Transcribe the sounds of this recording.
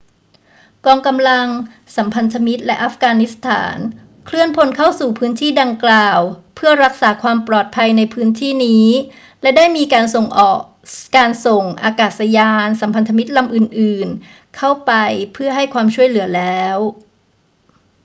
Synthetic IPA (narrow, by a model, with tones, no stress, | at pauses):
kɔː˧ŋka˧mla˧ŋ | sa˩˦mpʰa˧nt̪ʰa˧mi˦˥t̪̚lɛ˦˥ʔa˦˥fɡaː˧nːi˦˥st̪ʰa̰ː˩˦n | kʰlɯ˥˩ənpʰo˧nkʰa˥˩wsuː˨˩pʰɯː˦˥nt̪ʰiː˥˩da˧ŋklaː˨˩wpʰɯ˥˩ɐɾa˦˥k̚saː˩˦kʰwaː˧mplɔː˨˩t̪̚pʰa˧jna˧jpʰɯː˦˥nt̪ʰiː˥˩niː˦˥ | lɛ˦˥daː˥˩jmiː˧kaː˧nso˨˩ŋʔɔː˨˩k̚kaː˧nso˨˩ŋʔa̰ː˧kaː˨˩t̪̚sa˧jaː˧nsa˩˦mpʰa˧nt̪ʰa˧mi˦˥t̪̚la˧mʔɯː˨˩nʔɯː˨˩n | kʰa˥˩wpa˧jpʰɯ˥˩ɐɦa˥˩jkʰwaː˧mt͡ɕʰu˥˩əjlɯ˩˦ɐlɛː˦˥w